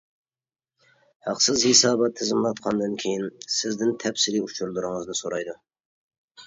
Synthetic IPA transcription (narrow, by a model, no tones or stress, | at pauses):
hɑqsɪzhesɑːbɑt̪ʰːɪzɪmlˠɑt̪̚qʰɑnd̪ɨnkʲʰejinsɪzd̪ɪnt̪ʰɛpsɪɾiut͡ʃʰuɾd̪uɾʊŋəzd̪ɨsoɾɑjd̪u